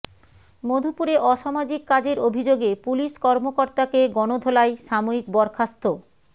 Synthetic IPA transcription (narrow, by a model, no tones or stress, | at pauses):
mod̪ʱupuɾeʔɔʃamad͡ʑikːad͡ʑeɾobʱid͡ʑoɡepuliʃkɔɾmokoɾt̪akeɡɔnod̪ʱolaeʃamoik̚bɔɾkʰast̪o